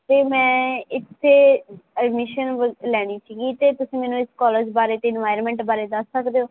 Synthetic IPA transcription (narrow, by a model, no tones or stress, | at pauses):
t̪eːmɛ̃ːɪt̪ʰːeːəɖmɪʃənʋlɛːɽ̃iːsiːɡiːt̪eːt̪ʊsĩːmɛːnũːɪskɔːləd͡ʒbaːɾeːt̪eːɪnʋaːjəɾmɛ̃ːɳʈbaːɾeːd̪əsːəkd̪eːoː